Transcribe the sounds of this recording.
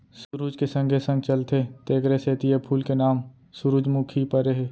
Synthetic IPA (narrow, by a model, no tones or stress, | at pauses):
sʊɾuːd͡ʒkesə̃ŋɡʱesə̃ŋɡt͡ʃəlt̪ʰet̪eːɡɾeseːt̪iepʰuːlkenaːm | sʊɾuːd͡ʒmukʰipəɾeɦeː